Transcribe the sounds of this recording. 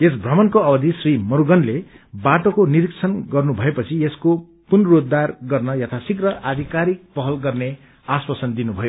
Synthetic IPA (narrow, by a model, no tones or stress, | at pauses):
esbʱrʌmʌnkoʌbʌd̪ʱisrimʌɾuɡʌnle | baʈokoniɾikt͡sʰʌnɡʌrnubʱʌepʌt͡sʰiesko | punrod̪ːarɡʌrnʌjat̪ʰasikrʌʔad̪ʱikaɾik̚pʌɦʌlɡʌrne | aswasʌnd̪inubʱʌjo